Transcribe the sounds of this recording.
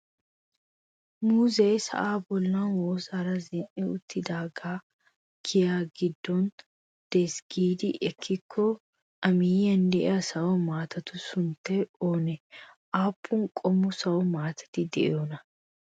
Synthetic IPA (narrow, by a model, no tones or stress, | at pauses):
muːzɛːsɐ̰ʔaːbɔlːanwoːsɐɾɐzɛnʔɛʊt̪ːɪd̪aːɡaː | kʰɪjaːɡɪd̪ːɔn | d̪̥ɛsɡiːd̪ɪʔɛkʰːɪkʰːɔ | ʔɐmiːjɐnd̪ɛʔɐsɐwɔmaːt̪ɐt̪ʊsʊnt̪ːɛoːnɛʔaːpʰːʊŋkʼɔmːʊsɐwɔmaːt̪ɐ̥t̪ɪd̪ɛʔɛoːnɐ